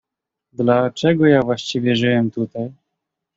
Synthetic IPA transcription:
d̪lat͡ʂɛɡɔjavwaɕt͡ɕivʲjɛʐɨwɛmt̪ut̪aj

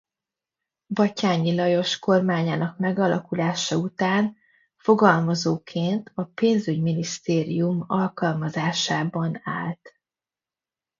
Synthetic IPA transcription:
bɒcaːɲilɒjo̞ʃko̞rmaːɲaːnɒkmɛɡɒlɒkulaːʃɒut̪aːn | fo̞ɡɒlmɒzoːkʰeːnt̪ʰɒpeːnzyɟminist̪eːɾḭjumɒlkɒlmɒzaːʃaːbɒnaːlt̪

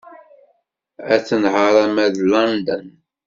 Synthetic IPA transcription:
æθənhəɾˤamæðlɑnd̪ən

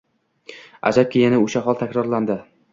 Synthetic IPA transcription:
a̰d͡ʒap̚kʲʰejɪnɪʊʃaɦɒlˠt̪ʰakʲɾɒɾland̪ɪ

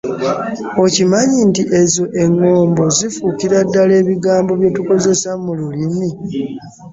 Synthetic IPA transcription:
o̞cimaɲintiʔe̞zo̞ʔe̞ŋːo̞ːmbo̞zifuːkiɾadːale̞ːβiɡaːmbo̞βje̞tuko̞ze̞samululimi

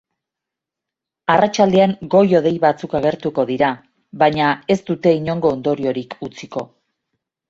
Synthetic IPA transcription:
arat͡ʃald̪e̞aŋɡo̞jo̞ð̞e̞jβat͡sukaɣ̞e̞ɾt̪uko̞ðiɾa | βaɲae̞st̪ut̪e̞iɲo̞ŋɡo̞ːnd̪o̞ɾio̞ɾikut͡siko̞

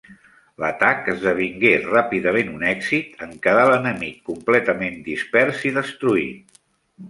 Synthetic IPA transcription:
lət̪akəzðəβ̞iŋɡerapiðəmenunɛkzit̪əŋkəðalənəmikːumplɛt̪əmend̪ispɛɾsiðəst̪ɾuḭ

